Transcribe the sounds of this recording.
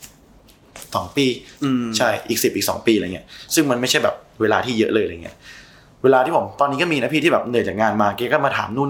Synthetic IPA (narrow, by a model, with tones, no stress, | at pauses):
sɔː˩˦ŋpiː˧t͡ɕʰa˥˩jʔiː˨˩k̚si˨˩p̚ʔiː˨˩k̚sɔ̰˩˦ŋpiː˧la˧˨ŋi˦˥ɐʔsɯ˥˩ŋma˧nma˥˩jt͡ɕʰa˥˩jbɛ̰ː˨˩p̚weː˧laː˧t̪ʰiː˥˩jɤ˦˥ʔlɤː˧jʔa˧jŋi˦˥ɐʔ | weː˧laː˧iː˥˩o˩˦mt̪ɔː˧nːi˦˥kɔː˥˩miː˧na˦˥pʰiː˥t̪ʰiː˥˩ɛː˨˩p̚nɯ˨˩t͡ɕaː˨˩k̚ŋaː˧nmaː˧keː˧kɔ˥˩maː˧t̪ʰa̰ː˩˦mnuː˥˩˨